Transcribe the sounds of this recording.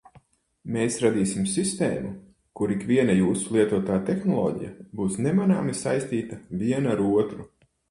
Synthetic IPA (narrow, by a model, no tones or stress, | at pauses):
meːsɾad̪iːsimsist̪ḛːmu | kuɾikvʲiɛnajuːsulˠiɛt̪uɔt̪aːt̪exnɔlˠɔ̰ːɟḭja̰buːsnɛmanaːmisajst̪iːt̪avʲiɛnaɾuɔt̪ɾu